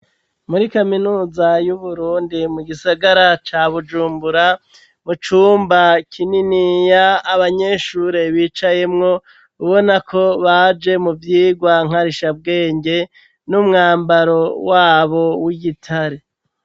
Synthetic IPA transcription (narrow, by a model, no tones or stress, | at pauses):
muɾikaminuːzajuβuɾuːndimuɡisaɡaɾat͡ʃaβud͡ʒuːmbuɾa | mut͡ʃuːmbakʰininijaːβaɲe̞ʃuɾe̞βiːt͡ʃaje̞mŋo̞ | uβo̞nakʰo̞βad͡ʒe̞muvjiːɡwaŋ̥aɾiʃab̚ɡe̞ːɲɟe̞ | numŋaːmbaɾo̞waːβo̞wiɡitʰaɾe